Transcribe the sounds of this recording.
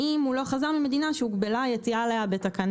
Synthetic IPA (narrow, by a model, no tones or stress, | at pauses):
imhulo̞χazaʁmime̞d̪inaʃeuɡbelajet͡sialejabet̪akan